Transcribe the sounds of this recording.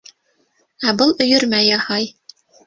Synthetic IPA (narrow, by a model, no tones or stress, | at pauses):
æbɤlˠɵ̆jɵɾmæjɑhɑj